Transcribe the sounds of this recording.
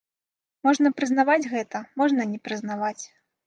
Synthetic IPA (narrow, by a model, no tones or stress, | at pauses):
mɔʐnɐpɾɨznavad͡zʲɣɛt̪ɐmɔʐnɐnʲɛpɾɨzn̪avat͡sʲ